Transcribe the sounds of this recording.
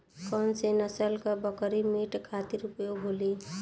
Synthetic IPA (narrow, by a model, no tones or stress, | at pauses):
kənsenəsəlkəbəkɾimiʈkʰat̪iɾupjoɦoli